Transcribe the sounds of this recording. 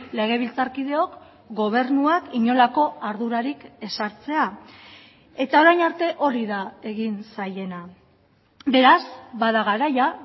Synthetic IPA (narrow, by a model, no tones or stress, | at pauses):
le̞ɣ̞e̞β̞ilt͡saɾkið̞e̞o̞k | ɡo̞β̞e̞ɾnuakiɲo̞lako̞aɾðuɾaɾike̞saɾt͡se̞a | e̞t̪ao̞ɾajnaɾt̪e̞ʔo̞ɾiðae̞ɣinsaje̞na | be̞ɾazbaðaɣ̞aɾaja